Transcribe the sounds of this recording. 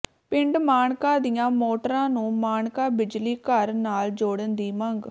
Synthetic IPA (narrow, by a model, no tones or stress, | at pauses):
pɪ̃ɳɖmaːɳkãːd̪ijãːmoːʈəɾãːnũːmaːɳkãːbɪd͡ʒliːkəɾnaːld͡ʒoːɽənd̪iːməŋɡ